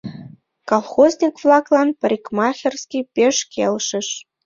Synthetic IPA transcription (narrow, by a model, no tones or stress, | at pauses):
kɑlˠxoznʲikvlˠɑklɑnpəɾʲikmɑxʲerskʲipʲeʃkʰelʃə̆ʃ